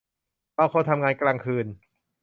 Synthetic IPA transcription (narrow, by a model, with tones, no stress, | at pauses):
baː˧˩kʰoː˧nt̪ʰa˧mŋaː˧nklaː˧ŋkʰɯː˧n